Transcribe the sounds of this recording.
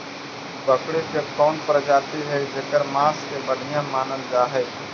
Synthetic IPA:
bəkɽikekɔːnpəɾd͡ʒaːt̪iɦɛd͡ʒekəɾmaːskebəɽʱɪjãmaːnənd͡ʒaːɦɛ

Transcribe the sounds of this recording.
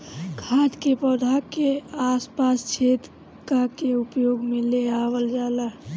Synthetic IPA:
kʰaːd̪kepɔd̪ʱakeaspast͡ʃʰet̪ | kakeupjoːɡmẽleawəld͡ʒaːla

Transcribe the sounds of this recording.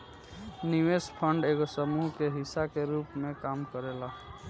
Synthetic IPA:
niʋeːspʰəɳɖeːɡosəmuɦkeɦɪsakeɾuːpmẽkaːmkəɾela

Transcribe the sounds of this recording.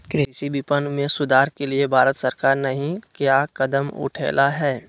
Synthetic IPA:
kɪɪʃibipənmẽsʊd̪ʱaːɾkeliebʱaːɾət̪sɐɾkaːɾnɐɦĩkjaːkɐd̪əmʊ̰ʈʰḛːlaɦɛː

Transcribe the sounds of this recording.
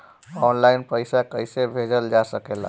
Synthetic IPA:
ɔːnlaːɪnpəɪsakəɪsebʱed͡ʒəld͡ʒasəkeːla̰

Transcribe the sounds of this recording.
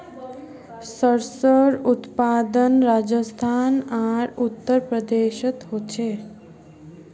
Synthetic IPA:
səɾsəɾut̪paːd̪ənɾad͡ʒəst̪ʰaːnaɾut̪ːəɾpɾəd̪eʃət̪ɦot͡ʃʰe

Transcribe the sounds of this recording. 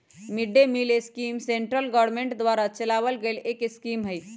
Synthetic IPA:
miɖːemileskimseɳʈɾəlɡɔɾmeɳʈd̪ʋaɾat͡ʃəlaʋəlɡelekskimɦəj

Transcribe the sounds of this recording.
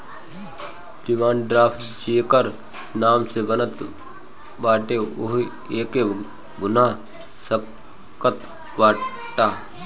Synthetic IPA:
lɪmaːnɖɾaːpʰʈd͡ʒeːkəɾ | naːmsebənət̪ | baːʈeoɦ | eːke | ɡʊnaː | sə | kət̪ | ʋaː | ʈaː

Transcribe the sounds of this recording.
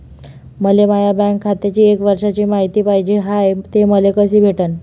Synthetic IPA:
məlemajabɛ̃ŋkʰːat̪at͡ɕiːekʋəɾʂat͡ɕiːmaɦit̪iːpaɦid͡ʑeɦajt̪eməlekəs̬iːbʱeʈən

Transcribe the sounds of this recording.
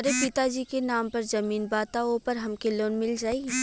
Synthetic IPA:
ɐɾepɪt̪ad͡ʒiːkenaːmpɐɾzɐmiːnbaːt̪aoːpɐɾɦɐmkeloːnmɪld͡ʒaːi

